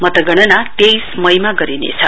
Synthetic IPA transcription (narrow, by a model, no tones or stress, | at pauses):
mʌt̪ʌɡʌɽ̃ʌnat̪ejsmʌjmaɡʌɾinḛt͡sʰʌ̰